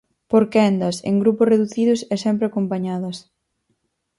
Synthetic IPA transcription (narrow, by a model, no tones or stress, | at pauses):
poɾkɛnd̪ɐsḛŋɡɾupʊsreðuθið̞ʊsɛsɛmpɾeakompaɲaðɐs